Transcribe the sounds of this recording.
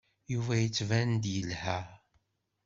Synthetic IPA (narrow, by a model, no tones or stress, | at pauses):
juvæjət͡sːvænd̪jəlhæ